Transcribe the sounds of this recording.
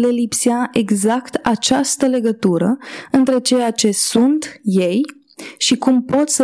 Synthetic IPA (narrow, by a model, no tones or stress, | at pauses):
le̞lipseaʔe̞ɡzakt̪at͡ʃast̪əle̞ɡət̪uɾəɨnt̪ɾe̞t͡ʃe̞jat͡ʃe̞sunt̪je̞j | ʃikumpo̞t̪sə